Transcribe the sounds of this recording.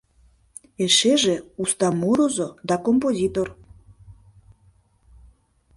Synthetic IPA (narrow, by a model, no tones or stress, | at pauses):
eʃeʒeust̪ɑmoɾozod̪ɑkompozʲit̪or